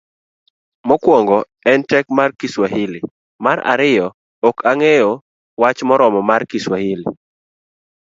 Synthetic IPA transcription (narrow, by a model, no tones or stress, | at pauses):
mɔkwɔŋɡɔ | ɛntɛk̚markiswaɦilɪ | maɾa̰ɾɪjɔ | okʰaŋejo | wat͡ʃmɔɾɔmɔmarkiswahilḭ